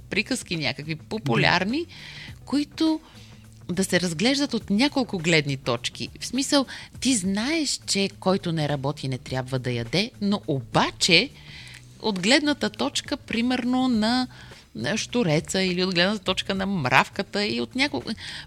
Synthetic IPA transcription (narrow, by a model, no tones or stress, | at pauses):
pɾikəskinʲa̰kəkvipopulʲa̰ɾnikoit̪o | d̪ɐsɛɾɐzɡlɛʒd̪ət̪ot̪nʲakolˠkʊɡlɛd̪nit̪ɔt͡ʃkḭfsmisəlˠt̪iznaɛʃt͡ʃɛkɔjt̪onɛɾɐbɔt̪inɛt̪ɾʲjabvəd̪ɐjɐd̪ɛnoʔobat͡ʃɛ | o̰d̪ɡlɛd̪nət̪ət̪ɔt͡ʃkəpɾimɛɾnonɐ | ʃt̪oɾɛt̪səiliod̪ɡlɛd̪nət̪ət̪ɔt͡ʃkənɐmɾʔa̰fkət̪əiot̪nʲakolˠ